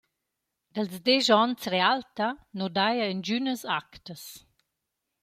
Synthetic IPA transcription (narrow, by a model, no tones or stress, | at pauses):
d̥əlzdeʒɔnt͡srealt̪anodajəənd͡ʒynəsaktəs